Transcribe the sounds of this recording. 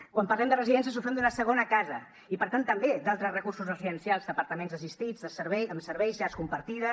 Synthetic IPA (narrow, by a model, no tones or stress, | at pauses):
kwampəɐrlɛmd̪ərəziðɛnsijəs̬ufɛmd̪unəsəɣ̞onəkazə | ipəɾt̪ant̪əmbed̪alˠt̪ɾəzrəkursuzrəziðənsijalˠzd̪əpəɾt̪əmẽnzəsist̪id͡zðəsəɾβɛjəmsəɾβɛjzʎaskumpəɾt̪iðə